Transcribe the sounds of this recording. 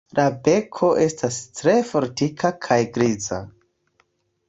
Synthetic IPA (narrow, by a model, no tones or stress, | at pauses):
labe̞kʰo̞ʔe̞stastɾe̞fo̞ɾtikʰakʰajɡɾiza̰